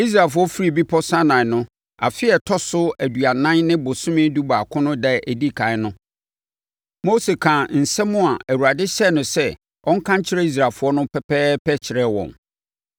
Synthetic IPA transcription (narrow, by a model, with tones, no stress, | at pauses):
i˦s̬ɾa˨fʊ˦ɔ˦fi˦ɾi˦˨bi˦pʰɔ˦sã˦nã˨nʊ̃˦ | a˨fɪ˦ɛ˨tʰɔ˦sʊ˦æ˨du˨a˨nã˦nnɪ̃˦bʊ˨sʊ̃˦mɪ̃˦du˦ba˨kʰʊ̃˦nʊ̃˦dɛ˦˨ʔæ˨di˦kʰã˨ɪ˦nʊ̃˦ | mo˦se˨kʰã˨n̩˨sɛ˦mʊ̃˦a˨æ˨wu˨ɾa˨dɪ˦ɕɛ˦˨nʊ̃˨sɛ˦ | ɔ̃˦ŋ̩˦kʰã˦ɲ˦t͡ɕʰɪ˦ɾɛ˦i˦s̬ɾa˨lfʊ˨˦ɔ˦nʊ̃˦pʰɛ˦pʰɛː˦pɛ˦t͡ɕʰɪ˨ɾɛ˦wɔ̰̃˨m